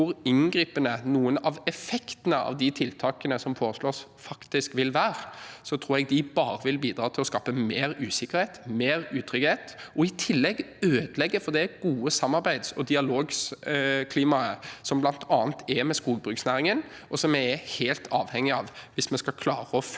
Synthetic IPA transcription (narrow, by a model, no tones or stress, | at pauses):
ʊɾɪnɡɾiːpənənuːənɑʋɛfɛkt̪ənəʔɑ̰ʋd̪ɪt̪ʰɪlt̪ʰɑːkənəsɔmfʰoːɾəsloːsfɑkt̪ɪskʋɪlʋæːɾəsɔt̪ʰɾuːɾɛɡ̚d̪ɪbɑːɾəʋɪlbiːd̪ɾɑːt̪ʰɪlɔskɑːpəmeːɾʉːsɪkəɾheːt̪meːɾʉːt̪ʰɾʏɡheːt̪ʔɔɪt̪ʰɪlːɛɡøːd̪əlɛɡːəfɔd̪ɛɡuːəsɑmːɑɾbæɪd̪sɔd̪ɪɑloːɡskʰliːmɑəsɔmblɑnt̪ʰɑːnt̪ʰɛmɛskuːɡ̚bɾʉːksnæːɾɪŋən | ɔsɔmɛɛheːlt̪ʰɑːʋhɛŋːɪɑːʋʋɪsmɛnskɑkʰlɑːɾəɔf